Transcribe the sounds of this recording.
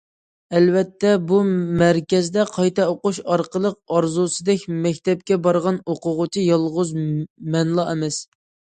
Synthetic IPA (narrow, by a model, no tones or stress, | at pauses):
ɛlvɛt̪ʰːɛbumæɾkʲɛzd̪ɛqʰɑjt̪ɛoqʊʃɑɾqəlˠəq̚ɑɾzusɨd̪ɛkʲmɛkʲt̪ɛp̚kʲɛbɑɾʁɑnoqʊʁʊt͡ʃʰijɑlˠʁʊzmɛnlˠɑɪmɛs